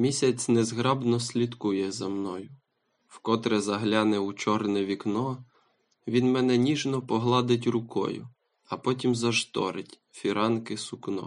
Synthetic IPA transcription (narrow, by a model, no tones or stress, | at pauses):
mʲisʲɐt͡sʲnɛzɦɾɑbnɔsʲlʲit̪kujɛzɐmnɔjʊ | wkɔt̪ɾɛzɐɦlʲɑnɛut͡ʃɔrnɛʋʲiknɔ | ʋʲinmɛnɛnʲiʒnɔpɔɦlˠɑd̪ɪtʲrʊkɔ̰jʊ̰ | ɐpɔt̬ʲimzɐʒt̪ɔ̰ɾɪtʲ | fʲiɾɑnkɪsʊknɔ̰